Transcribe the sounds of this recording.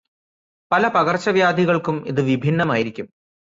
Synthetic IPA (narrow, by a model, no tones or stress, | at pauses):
pɐlɐpɐɣɐrt͡ɕːɐʋjaːd̪ʱiɣɐɭkumḭðɨʋibʱinːɐmaːjiɾikʲːum